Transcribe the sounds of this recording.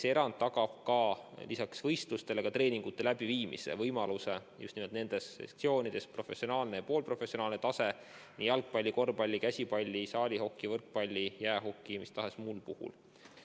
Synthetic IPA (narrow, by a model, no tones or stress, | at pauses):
seeɾɑnd̪̥ːɑɡɑb̥̚kɑlisɑksvɤjst̪lust̪e̞leɡ̥ɑt̪ɾe̞ːniŋɡ̥ut̪ˑːe̞læb̥iviːmḭse̞̰vɤjmɑluse̞jṵst̪nimelt̪ne̞nd̪̥e̞sḛkt̪sio̞ːnʲid̪̥e̞spro̞fe̞sio̞nɑːlnejɑpo̞ːlpro̞fe̞sːio̞nɑːlnet̪ɑse̞ | nijɑlk̚pɑlʲːiko̞rpɑlʲːikæsʲipɑlʲːisɑːlʲiho̞kːˑivɤrk̚pɑlʲːijæeɦo̞kˑːimist̪ɑɦe̞smulpuhṵl